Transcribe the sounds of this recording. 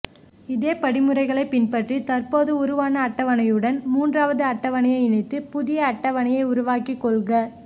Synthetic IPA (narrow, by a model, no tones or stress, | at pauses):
ɪðeːpɐɽɪmɯrɐɪɣɐɭɐɪpɪnpɐʈrit̪ɐrpoːðɯʊɾɯʋaːnɐːʈːɐʋɐnɐjɯɽɐnmuːndraːʋɐðɯɐʈːɐʋɐɳɐjɐɪɪnɐɪt̪ːɯpʊðɪjɐːʈːɐʋɐɳɐjɐɪʊɾʊʋaːkikːɔɭɣɐ